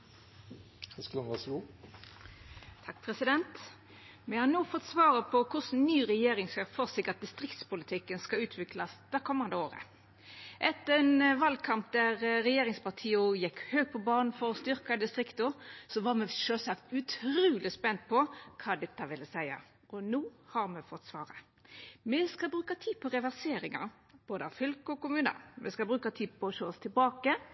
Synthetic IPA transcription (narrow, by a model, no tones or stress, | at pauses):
hɛsklɔnʋɑʂɡuː | t̪ʰɑk̚ːpʰɾɛsɪd̪ɛnt̪ | mɛhɑnoːfɔt̪ːsʋɑːɾəpʰɔkʰʊʂn̩nyːɾɛjeːɾɪŋsɑfɔɾsɪkɑt̪̚d̪ɪst̪ɾɪkt̪spʊlɪt̪ʰɪkːənskɑʉːt̪ʰʋɪklɑsd̪̥ɛɾkʰɔmːɑnd̪əoːɾə̰ | ʔɛt̪əɾɛnʋɑlkʰɑmp̚d̪æʁɾɛjeːɾɪŋspɑʁt̪ʰiːʊjɛkhøːɡ̚pʰɔbɑːnn̩fɔɾɔst̪ʏɾkɑd̪ɪst̪ʁɪkt̪ʊsɔʋɑmɛʃøːlsɑkt̪ʉt̪ʰɾuːlɪspɛnt̪̚pʰɔkʰɑːd̪ɛt̪ːəʋɪləsæɪɑ̰ | ʔɔnuːhɑɾmɛfɔt̪ːsʋɑːɾə | mɛskɑbɾʉːkɑt̪ʰiːpʰɔʁɛʋæʁseːɾɪŋɑ̰ | b̥oːd̪əɑ̰ʋfʏlkəɔkʊmʉːnə̰mɛskɑlbɾʉːkɑt̪ʰiːd̪pʰɔʃoːɔst̪ʰɪlbɑːkə